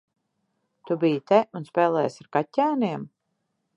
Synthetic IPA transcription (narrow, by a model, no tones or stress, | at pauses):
t̪ubijit̪ɛunspɛːlˠɛːjsaɾkatʲːæːniɛm